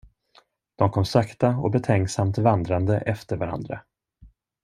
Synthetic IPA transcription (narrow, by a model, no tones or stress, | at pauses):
d̪̥ɔmkʰɔmsakt̪aɔbɛt̪ʰɛŋksamt̪vand̪ɾand̪əʔɛft̪əɾvaɾa̰nd̪ɾa̰